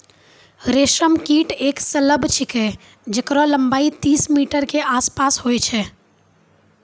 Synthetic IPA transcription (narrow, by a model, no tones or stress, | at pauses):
ɾeʃəmkiʈeksələbʱt͡ʃʰike | d͡ʒekɾɔləmbait̪iːsmiʈəɾkeʔaspasɦojt͡ʃʰɛ